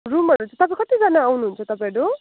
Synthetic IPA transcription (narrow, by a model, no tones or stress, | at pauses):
ɾumʌɾunt͡sʰʌt̪ʌpãkʌt̪id͡zanaːwnuɦunt͡sʰʌt̪ʌpãɾu